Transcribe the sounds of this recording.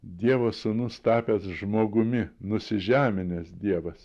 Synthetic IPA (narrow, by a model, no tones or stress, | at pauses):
d̪ʲiɛʋɐsʊnʊst̪ɑːpʲɛsʒmoːɡʊmʲɪnʊsʲɪʒʲæːmʲɪnʲɛsd̪ʲiɛʋɐs